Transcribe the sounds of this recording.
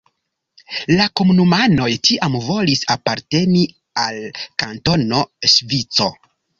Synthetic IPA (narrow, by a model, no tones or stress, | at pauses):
lako̞munumano̞jtiʔamvo̞lisapaɾte̞ni | alkanto̞no̞ʃvit͡so̞̰